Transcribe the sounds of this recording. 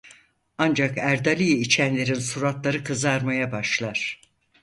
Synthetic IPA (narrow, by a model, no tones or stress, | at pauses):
and͡ʒakæɾd̪alʲijit͡ʃʰænlʲe̞ɾinsuɾat̪lˠaɾɯkʰɯzaɾmajabaʃlˠaɾ̥